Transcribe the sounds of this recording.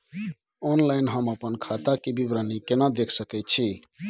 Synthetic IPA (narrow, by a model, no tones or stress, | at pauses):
onlainɦəməpənkʰat̪akibibɾanikenad̪ekʰsəkɛt̪̚t͡ʃʰi